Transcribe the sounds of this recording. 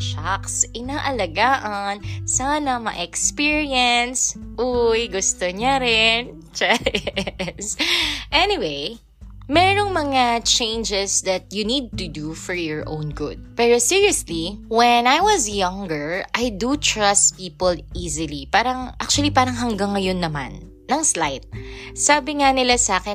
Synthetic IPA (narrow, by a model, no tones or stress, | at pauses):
ʃaksʔɪnaːʔɐlɐɡaːʔɐnsaːnɐmɐ̰ʔɛkspiɹiɛnsʔujɡʊst̪oɲaɾɛn | t͡ʃɛ | sʔɛnɪwej | mɛɾoŋmɐŋat͡ʃẽjnd͡ʒɛsd̪ɐt̪̚junid̪̚t̪ud̪ufɔɹjɔɹʔõ̰wnɡʊd̪̚pɛːɾosiɹiɐsliwɛnajwɐzjɐŋɡəɹʔajd̪ut̪ɹɐst̪piːpolizɪlipaːɾɐŋʔak̚t͡ʃuɐlipaːɾɐŋɦɐŋɡɐŋːɐjonːɐma̰nː | ɐŋslajt̪̚saːbɪŋanɪlasaːkɛ